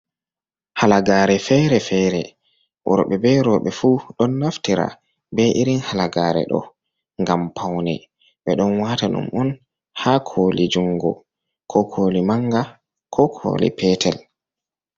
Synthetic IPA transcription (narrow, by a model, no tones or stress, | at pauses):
halaɡaːɾɛfɛɾɛfɛɾɛ | wɔ̰ɾɓɛbɛɾɔɓɛfuɗɔnːaftiɾa̰ | bɛʔiɾinhalaɡaːɾɛ̰ɗɔ̰ | ŋɡampʰawnɛ̰ | ɓɛɗɔnwaːtaɗṵmʔɔn | hakʰolid͡ʒuŋɡɔ̰ | kʰɔkʰolimaŋɡa | kʰɔkʰo̰ːlḭpʰɛtʰɛl